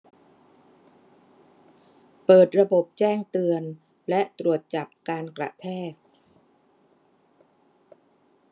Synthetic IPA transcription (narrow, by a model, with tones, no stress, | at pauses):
pɤː˨˩t̪̚ɾa˧bo˨˩p̚t͡ɕɛː˥˩ŋt̪ɯ˧ən | lɛ˦˥ʔt̪ɾu˨˩ət̪̚t͡ɕa˨˩p̚kaː˧nkla̰˨˩ʔt̪ʰɛː˥˩k̚